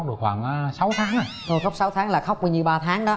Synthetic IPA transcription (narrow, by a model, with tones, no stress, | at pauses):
k͡p̚ɗɨ˨˩ək̚xwaː˧˩ŋʔsa˨˦wt̪ʰaː˨˦ŋa˨˩zo˧˩xa˦˥k͡p̚sa˨˦wt̪ʰaː˨˦ŋlaː˨˩xa˦˥wk͡p̚ku˧˩ɲi˨˩wɓaː˧t̪ʰaː˨˦ŋɗɔ˨˦